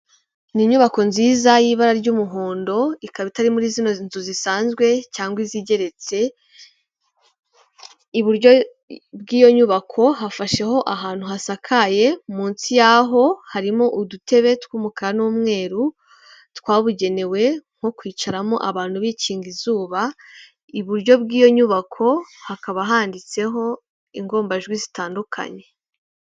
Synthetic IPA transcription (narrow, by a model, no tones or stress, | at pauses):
niɲuβako̞nziːzajiːβaɾaɾɟuːmuɦoːndo̞ikaβitaɾimuɾizino̞nzuzisaːnzɡwe̞caːŋɡwiziɟe̞ɾe̞t͡se̞ | iβuɾɟo̞ | bɡiːjo̞ɲuβakʰo̞ɦafaʃe̞ho̞ʔaɦaːn̥huɦasakʰaje̞muːnsijaɦo̞haɾimo̞ʔudutʰe̞βe̞twuːmukaɾanuːmŋe̞ːɾu | tkwaːβuɟe̞ne̞we̞ŋ̥o̞kwiːt͡ʃaɾamo̰ʔaβaːn̥huβiciːŋɡizuːβa | iβuɾɟo̞bɡiːjo̞ɲuβakʰo̞hakaβaɦaːndit͡se̞ɦo̞ | iŋɡo̞ːmbaʒɡwizitaːndukʰa̰ɲe̞